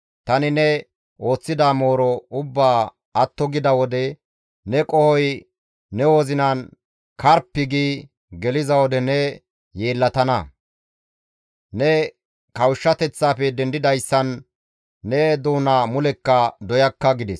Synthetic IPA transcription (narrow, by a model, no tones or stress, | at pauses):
t̪ɐnɪnɛ | o̞ːt͡sːɪd̪aːmo̞ːɾɔʊbːaː | ɐt̪ːɔɡɪd̪ɐwɔd̪ɛ | nɛkʼɔhɔjː | ɛwoːzɪnan | kɐɾpːɪɡiː | ɡɛlɪzɐwɔd̪ɛnɛ | je̞ːlːɐt̪ɐnɐ | nɛ | kɐwʃːɐt̪ɛt͡sːaːfɛd̪ɛnd̪ɪd̪ɐjsːɐnː | ɛd̪uːnamʊlɛkːɐd̪ɔjɐkːɐɡɪd̪ɛs